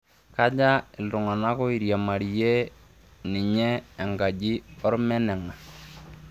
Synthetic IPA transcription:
ka˦d͡ʒa˦ɪ˨ldʊ˨ŋa˨na˦kɔ˦i˨ɾja˨ma˨ɾje˦ | nɪ˨ɲɛː˦˨ŋɡa˨d͡ʒi˦ɔ˦ɾmɛ˦nɛ˨ŋa˨

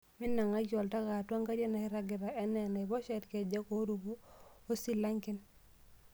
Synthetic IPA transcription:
mɪ˦nːa˨ŋa˦t͡ʃɔ˨lta˦ka˨twa˦ŋka˦ɾe˦na˨hɪ˦ɾa˦ɡɪ˨ɾa˨ɛ˦nɛ˨na˨ɪ˨bɔ˦ʃɛ˦tkɛ˨d͡ʒa˦ko˦ɾu˨bu˦o˦si˦la˦ŋkɪ˦n

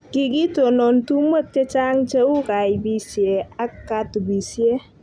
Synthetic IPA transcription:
kɪ˨ki˦to˨nɔ˨ntu˦mo˦t̚kɛ˦t͡ʃa˦ŋt͡ʃɛ˦ʊ˦ka˨jbi˨sje˨a˦kːa˨tu˨bi˨sje˦

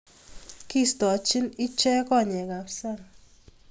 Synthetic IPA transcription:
ki˦st̪ɔ˨t͡ʃɪ˦nɪ˦t͡ʃɛ˦kɔ˦˨ɲɛ˨ɡa˨psa˦˨ŋ

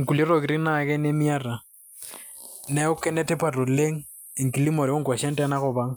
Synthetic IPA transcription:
ŋ̩˨ku˨li˦ɾo˨ki˨ɾi˦na˦˨kɛ˦ne˦mi˦a˦ra˨ | na˦ʊ˦kɛ˦nɛ˦tɛ˦pa˨ɾo˨le˦ŋ̩˦ | i˨ŋ̩˨ki˨li˦mɔ˨ɾɛ˨o˦ŋ˨kwa˨ʃa˦n̩˦ta˦na˦ɣʊ˨βa˦ŋ

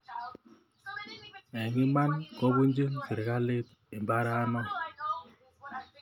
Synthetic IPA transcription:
ɛ˨ŋi˦ma˦nkɔ˦bu˦n˦d͡ʒe˦ŋke˨ɾe˨ka˦le˦t | e˨m˨ba˦ɾa˦a˦nɔ˦

